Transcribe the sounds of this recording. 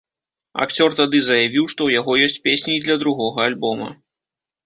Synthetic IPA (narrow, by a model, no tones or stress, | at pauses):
a̰kt͡sʲɔrt̪ad̪ɨzɐjavʲiwʂt̪ɔwjaɣɔjɔsʲt͡sʲpʲesʲnʲid̪lʲɐd̪ɾuɣɔɣɐalʲbɔmɐ̰